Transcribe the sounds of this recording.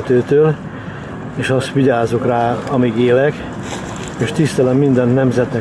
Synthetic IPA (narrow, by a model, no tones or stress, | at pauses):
t̪øːt̪øːl | eːʃɒst̪ʋiɟaːzokraːɒmiɡeːlɛk | eːʃt̪ist̪ɛlɛmːind̪ɛnːɛmzɛt̪nɛ